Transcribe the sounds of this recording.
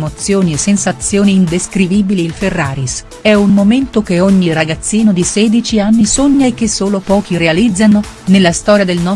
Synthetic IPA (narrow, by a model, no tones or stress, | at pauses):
mot̪sjoːniesːensat̪sjoːniːnd̪eskɾiviːbiliːlferːaːɾis | ɛunmoment̪okeoɲːiraɡat̪sːiːnod̪isɛːd̪it͡ʃianːisoɲːaek̟ːesːoːlopɔːk̟irealid̪zːano | nelːast̪ɔːɾjad̪elnɔ